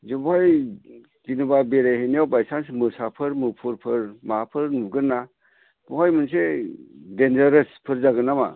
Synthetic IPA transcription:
zubaj | ɡinɯbabeɾahenijawbajsansmɯsapʰɯɾmɯpʰɯɾpʰɯɾmapʰɯɾnuɡɯnːa | b̥ɔɦajmɯnsedend͡ʒaɾɯspʰɯɾzaɡɯnama̰

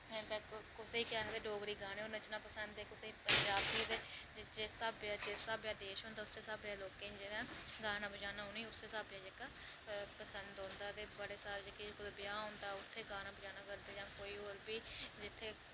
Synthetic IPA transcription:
meːnkəkʊseːiːkjaːɦd̪eːɖoːɡɾiːɡaːneːoːɾnət͡ʃnãːpəsənd̪eːkʊseiːpəɲd͡ʒaːbt̪iːt̪eːd͡ʒeːsaːbjaːd͡ʒeːsaːbjaːd̪eːʃɦõːnd̪aːʊseːsaːbjaːloːkẽːnd͡ʒenãːɡaːnãːbəd͡ʒaːnaːɦõniːʊseːsaːbjaːd͡ʒeka | pəsənd̪ɦõːnd̪aːt̪eːbəɽeːsaːɾeːd͡ʒekekʊd̪bɪjaːɦõːnd̪aːʊt̪ʰːeːɡaːnaːbəd͡ʒaːnaːkəɾd̪eːd͡ʒãːkoːiːoːɾbiːd͡ʒɪt̪ʰːeː

